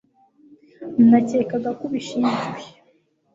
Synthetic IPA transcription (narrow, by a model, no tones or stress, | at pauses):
n̩nace̞ːkaɡakuβiʃiːnʒɡwe